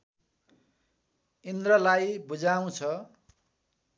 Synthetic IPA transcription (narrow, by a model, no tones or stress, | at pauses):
ind̪rʌlajbud͡zaw̃t͡sʰʌ